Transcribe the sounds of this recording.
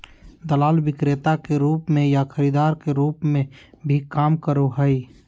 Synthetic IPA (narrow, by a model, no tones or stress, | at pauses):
d̪əlaːlʋɪkɾet̪akeɾuːpmẽjakʰəɾiːd̪aːɾkeɾuːpmẽbʱikaːmkəɾoɦəi